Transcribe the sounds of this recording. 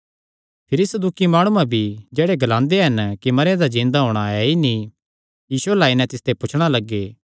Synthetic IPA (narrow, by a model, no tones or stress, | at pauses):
pʰɪɾisəd̪ukimaːɽ̃ũãbʱid͡ʒɛːɽeɡɐlãːnd̪eɦɐnkimɐɾjãd̪ad͡ʒĩːnd̪aɦoːɽ̃aɛini | jiːsʊɛlaːinɛ̃t̪ɪst̪epʊt͡ʃʰɽ̃alɐɡːeː